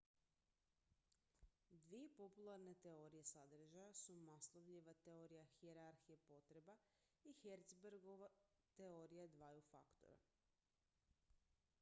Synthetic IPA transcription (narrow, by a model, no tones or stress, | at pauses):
d̪ʋije̞po̞pulˠaɾne̞t̪e̞o̞ɾije̞sad̪r̩ʒajasumaslˠoʋʎiʋat̪eoɾijaxieɾaɾxijepo̞t̪ɾe̞ba | ixeɾt̪sbeɾɡoʋa | t̪eoɾijad̪ʋaːjufa̰kt̪o̞̰ɾa̰